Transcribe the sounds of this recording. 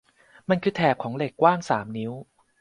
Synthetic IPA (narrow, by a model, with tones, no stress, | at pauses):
ma˧nkʰɯː˧˩t̪ʰɛː˨˩p̚kʰɔː˩˦ŋle˨˩kːwaː˥˩ŋsaː˩˦mni˦˥w